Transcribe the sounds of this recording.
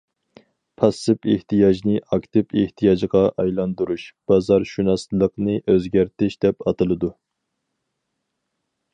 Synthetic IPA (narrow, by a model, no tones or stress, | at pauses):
pʰɑsɨpeht̪ijɑʒnɨʔɑkt̪ɪpeht̪ʰijɑd͡ʒʁɑʔɑjlˠɑnd̪uɾuʃb̥ɑzɑɾʃunɑslˠəqnɨʔøzɡʲæɾt̪ɪʃd̪ɛpɑt̪ʰɨlˠɨd̪u